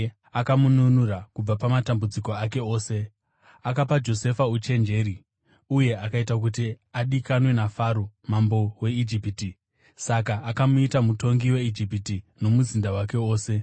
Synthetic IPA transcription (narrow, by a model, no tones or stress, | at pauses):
akamununurakub͡vapamatambud͡ziko̞ake̞o̞ːse̞ | akapad͡ʒo̞se̞faut͡ʃe̞nd͡ʒe̞ːɾi | uje̞akaitak̬ut̬i | aɗikanwe̞nafaɾomambo̞we̞id͡ʒipiti | sakaʔːkamuitamuto̞ŋɡiwe̞id͡ʒipitino̞muzindawake̞o̞ːse̞